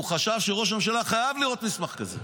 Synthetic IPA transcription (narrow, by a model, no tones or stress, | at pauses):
uχaʃavʃeʁo̞ʃ̬amʃ̬alaχajavliʁo̞t̪mismaχkazḛ